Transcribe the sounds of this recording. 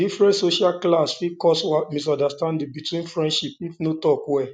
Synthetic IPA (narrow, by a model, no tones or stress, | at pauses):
difɹɛ̃ntsoʃalklasfikɔswamis̬ɔ̃ndastãndibitwĩnfɹɛ̃ndʃipifnotɔkwɛ